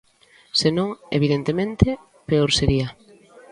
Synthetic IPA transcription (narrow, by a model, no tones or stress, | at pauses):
senõŋḛβiðent̪emẽnt̪e | peoɾseɾiɐ